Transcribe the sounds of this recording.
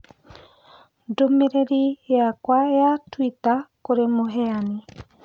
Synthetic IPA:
domeɾeɾieakwaeatwitakoɾemoɦɛani

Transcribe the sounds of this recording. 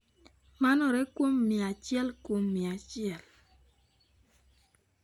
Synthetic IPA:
manɔɾɛkwomːiat͡ʃjɛlkomːiat͡ʃɪɛl

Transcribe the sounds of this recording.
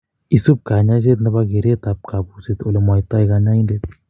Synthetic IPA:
isup̚kanad͡ʑet̪nəbaɡeɾet̪ap̚kapuset̪olemɔjt̪ajɡanaind̪et̪

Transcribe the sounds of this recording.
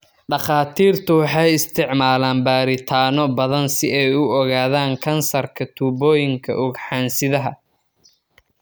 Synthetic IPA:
ɖɑχaːt̪ʰiːrt̪ʰʊwɑħɑjɪst̪ʰɪʕmaːlaːnbaːɾɪt̪ʰaːnɔbɐðɐnsɪɛjʊɔɣaːðaːŋkʰɐnsɐrkʰɐt̪ʰuːbɔːjɪŋkʰɐ̰ʔʊɡħaːnsɪðɐɦɐ

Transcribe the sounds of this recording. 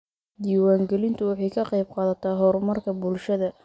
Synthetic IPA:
d̪iːwaːŋɡɛlɪnt̪ʰʊwɑħɑjkʰɐqɑjb̚qɑːðɐt̪ʰaɦɔrmɐrkʰɐbʊlʃɐðɐ

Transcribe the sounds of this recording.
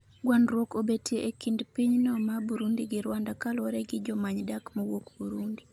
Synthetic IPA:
ɡwanɾwokobetjeʔekindpiɲnɔmabuɾundiɡɪɾwandakalwɔɾɛɡɪd͡ʒɔmaɲdakmɔwokbuɾundi

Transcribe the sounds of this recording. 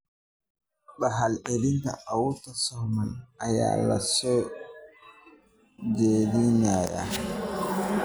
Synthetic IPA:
ɓaɦalʔeliŋka̰awutasɔmanaja̰la̰sɔ | d͡ʒedinaja̰

